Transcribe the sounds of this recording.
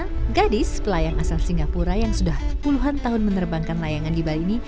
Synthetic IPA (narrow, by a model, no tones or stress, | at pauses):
ɡadɪspəlajaŋʔasalsiŋɡapuɾajaŋsudahpuluɦant̪aɦʊnmənərbaŋkanlajaŋandibaliːni